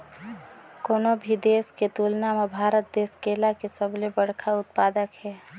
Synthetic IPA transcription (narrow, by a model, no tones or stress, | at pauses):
koːnobʱid̪eːsket̪ulnamebʱaːɾət̪̚d̪eːskeːlakesəblebəɽ̤kʰaʊt̪̚paːd̪əkɦɛː